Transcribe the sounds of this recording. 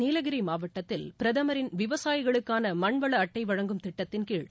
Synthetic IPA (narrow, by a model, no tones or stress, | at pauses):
iːlɐɣɪɾimaːʋɐʈːɐt̪ːɪlpɪɾɐðɐmɐɾɪnʋɪʋɐsaːjɪɣɐɭɯkːaːnɐmɐɳʋɐɭɐːʈːɐɪʋɐɻɐŋɡɯmt̪ɪʈːɐt̪ːɪnkiːɻ